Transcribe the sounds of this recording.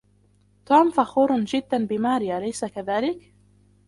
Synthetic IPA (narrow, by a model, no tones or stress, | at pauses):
t̪uːmfaxuːɾˤnd͡ʒɪd̪ːanbɪmaːɾɪjalajsakaðaːlɪk